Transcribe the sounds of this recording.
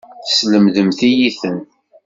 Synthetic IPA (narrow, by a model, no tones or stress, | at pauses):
θsləmðəmθijiθən